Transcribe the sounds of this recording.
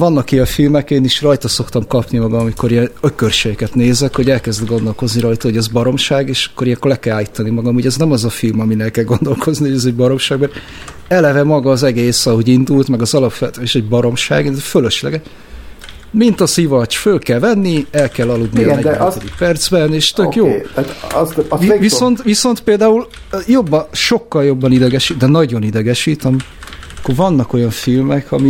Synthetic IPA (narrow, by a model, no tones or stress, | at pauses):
vɒnːɒkiɒfilmɛkeːniʃrɒjt̪ɒso̞kt̪ɒmkɒpnimɒɡɒmɒmiko̞ɾiɛnøkørʃɛjikɛt̪neːzɛkho̞ɟɛlkɛzd̪ɡo̞nd̪o̞lko̞zniɾɒjt̪ɒo̞ɟɛzbɒɾo̞mʃaːɡeːʃɒ̥kːoɾiɛkːolɛkɛlaːlːit̪ɒnimɒɡɒmuɟɛznɛmɒzɒfilmɒminɛlkɛlɡo̞nd̪o̞lkʰo̞znihoɟɛzɛɟ̚bɒɾo̞mʃaːɡmɛɾ | ɛlɛvɛmɒɡɒːzɛɡeːsɒɦo̞ɟind̪ult̪mɛɡɒzɒlɒpʋɛt̪eʃɛɟ̚bɒɾo̞mʃaːɡefølø̞ʃlɛ̰ɡɛ | mint̪ɒsivɒt͡ʃfølkɛlvɛnːiɛlkɛlːɒlud̪niɒnɛɟɛɛd̪ikpɛrd̪z̥bɛneːʃt̪økjoːtt̪zvio̞nt̪viso̞nt̪peːld̪aːul | jo̞bːɒnʃo̞kːɒljo̞bːɒnid̪ɛɡɛʃid̪ɛnɒɟo̞nid̪ɛɡɛʃiːt̪ɛm | kːorvɒnːɒko̞jɒɱfilmɛkʰɒmi